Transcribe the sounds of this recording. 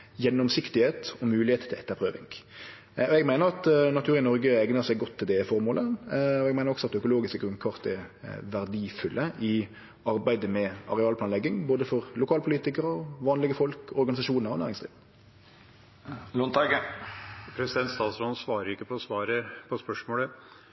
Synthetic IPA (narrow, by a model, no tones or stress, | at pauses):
jɛnːɔmsɪkt̪ɪheːt̪ɔmʉːlɪheːt̪t̪ʰɪlɛt̪ːəpʰɾøːʋɪ̰ŋ | ɔɛɡmæɪnəɾɑt̪nɑt̪ʰʉːɾɪnɔʁɡəæɪɡnəʁsæɪɡɡɔt̪ʰːɪld̪ɛɪfɔɾmoːləɔɛɡmæɪnʁɔɡsɔɑt̪d̪ɛœkʊloːɡɪskəɡɾʁʉnkʰɑːʁt̪ɛ̰ʋæɾd̪iːfʉlʔəʔɪ | ɑɾbæɪd̪əmɛɑ̰ʁɛɑːlpʰlɑnɛɡːɪŋboːd̪əfɔʁlʊkʰɑːlpʰʊliːt̪ɪkəɾəɔʋɑːnlɪɡəfɔlkɔɾɡɑnɪsɑʂuːnəɾɔnæːɾɪŋsd̪ʁiːʋ | lʊnt̪ɑɡ | pʰɾɛsɪd̪ɛnt̪st̪ɑːt̪sɾonsʋɑːɾəɾɪkːəpʰɔɔsʋɑːɾəpʰɔspœʂmoːlə